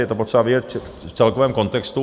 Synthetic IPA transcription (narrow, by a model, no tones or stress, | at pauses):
jɛt̪opot̪sʂɛbavɪɛt͡ʃ | t͡sɛlkɔvɛːmkont̪ɛkst̪u